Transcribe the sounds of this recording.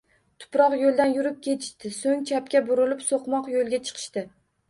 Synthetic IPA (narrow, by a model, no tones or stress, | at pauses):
t̪ʰʊ̥pɾɒqjolˠd̪anjʊɾɪp̚kʲʰet̪ʰɪ̥ʃt̪ɪsoŋt͡ʃʰapkʲabʊɾɪlɪpsoqmɒqjolˠɡʲat͡ʃʰɨ̥qʰɨ̥ʃt̪ɪ